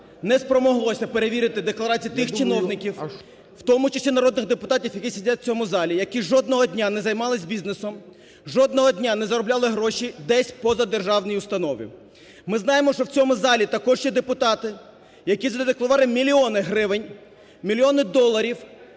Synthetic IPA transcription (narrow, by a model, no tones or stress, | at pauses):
nɛspɾɔmɔɦlˠɔsʲɐpeɾeʋʲiɾɪt̪ɪd̪eklˠɐɾɑt͡sʲijit̪ɪxt͡ʃɪnɔwnɪkʲiw | wt̪ɔmʊt͡ʃɐsʲinɐɾɔd̪nɪɣd̪epʊt̪ɑtʲiwjɐkʲisʲidʲatʲt͡sʲɔmʊzɑlʲijɐkiʒɔd̪̚nɔɦɔdʲnʲanɛzɐjmɑlˠɪsʲbʲiznesɔm | ʒɔd̪nɔɦɔdʲnʲanɛzɐɾɔblʲalˠɪɦɾɔʃid̪ɛsʲpɔzɐd̪erʒɑwnɔjiʊst̪ɐnɔʋḭ | mɪzn̪ɑjemɔʃt͡ʃɔwt͡sʲɔmʊzɑlʲit̪ɐkɔʒjɛd̪epʊt̪ɑt̪ɪ | jɐkʲizɐd̪d̪eklˠɐʋɑlˠɪmʲilʲiɔnɪɦɾɪʋɪnʲ | mʲilʲiɔnɪd̪ɔlˠːɐɾʲiw